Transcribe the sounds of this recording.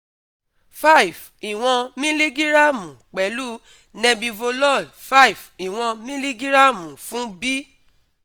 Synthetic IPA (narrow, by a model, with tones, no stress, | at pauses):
fa˦i˨v | i˨w̃ɔ̃˧mĩ˦li˦ɡi˦ɾa˦mũ˨k͡pɛ˨˦lu˦ | nɛ̃˧bĩ˧vo˧lɔ˦˨ | fa˦i˨vi˨w̃ɔ̃˧mĩ˦li˦ɡi˦ɾa˦˨mũ˨fũ˦bi˦